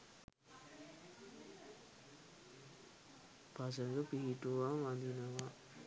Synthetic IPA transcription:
pas̬əŋɡəpiɦiʈuʋaʋand̪inəʋa

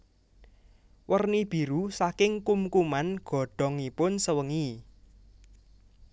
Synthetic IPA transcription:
wərnib̥i̤ɾusakɪŋkumkumanɡ̥ɔ̤ɖ̥ɔ̤ŋipʊnsəwəŋi

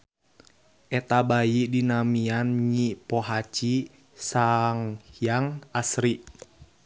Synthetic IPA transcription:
ʔɛt̪abajidinamianɲipɔɦat͡ʃi | saŋjaŋasɾi

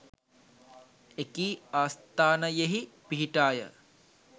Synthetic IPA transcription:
ekiːaːst̪aːnɐjeɦipiɦiʈaːjə̰

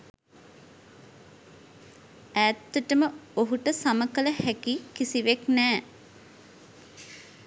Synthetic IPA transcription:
æːt̪ːəʈəməoɦuʈəsaməkələhækikisiʋeknɛː

